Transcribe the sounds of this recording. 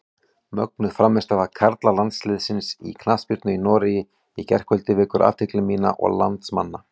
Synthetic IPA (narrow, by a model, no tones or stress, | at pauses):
mœk̚nʏðfɾamːɪst̪avakʰaɾt̪lalant̪slɪðsɪnsḭkʰnaspjiɾt̪nʏinɔːɾɪjɪ | icɛr̥kʰœlt̪ɪvɪːkʏɾa̰ːvt̪ʰɪklɪmiːna̰ʔɔ̰ɣla̰nt̪smanːa